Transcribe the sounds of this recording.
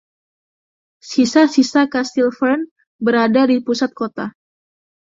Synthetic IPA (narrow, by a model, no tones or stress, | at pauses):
sisasisakast̪ilfərn | bəɾadadipusat̪̚kot̪a